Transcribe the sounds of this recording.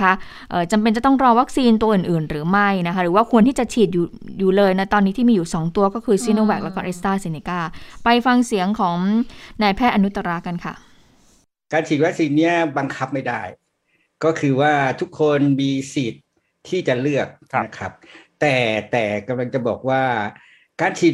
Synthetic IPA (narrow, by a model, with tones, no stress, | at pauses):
a˦˥ | ʔɤː˨˩t͡ɕa˧mp̬e˧nt͡ɕa˨˩t̪ɔ˥˩ŋɾɔː˧wa˦˥k̚siː˧nt̪u˧ɐʔɯː˨˩nʔɯː˨˩nɾɯː˩˦ma˥˩jna˦˥kʰa˦˥ɾɯː˩˦wa˥˩kʰu˧əniː˥˩t͡ɕa˨˩t͡ɕʰiː˨˩t̪̚juː˨˩juː˨˩lɤː˧jna˦˥t̪ɔː˧nːi˦˥i˥˩miː˧juː˨˩sɔː˩˦ŋt̪u˧ɐkɔː˥˩kʰɯː˧siː˧˦noː˧˩wɛː˨˩k̚lɛ˦˥kɔː˥˩ʔe˦˥st̪aː˥˩si˧ni˧kaː˥˩pa˧jfa˧ŋsi˩˦əŋkʰɔː˩˦ŋnaː˧jpʰɛː˥˩t̪ʔa˧nu˦˥t̪ːa˧ɾa˦˥ka˧nkʰa̰˥˩ | kaː˧nt͡ɕʰiː˨˩t̪̚wa˦˥k̚siː˧nːi˦˥˩ɐba˧ŋkʰa˦˥p̚ma˥˩jda˥˩j | kɔː˥˩kʰɯː˧waː˥˩t̪ʰu˦˥kʰːo˧nmiː˧siː˨˩t̪̚ʰː | iː˥˩t͡ɕa˨˩lɯ˥˩ək̚kʰa˦˥p̚t̪ɛː˨˩t̪ɛː˨˩ka˧mla˧ŋt͡ɕa˨˩bɔː˨˩k̚waː˥˩ | kaː˧nt͡ɕʰiː˨˩t̪̚